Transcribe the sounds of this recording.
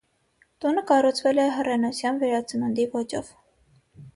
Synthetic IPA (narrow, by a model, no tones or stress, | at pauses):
t̪unəkɑrut͡sʰvɛlɛɦərɛnut͡sʰjɑnvɛɾɑt͡səmənd̪ivɔt͡ʃɔv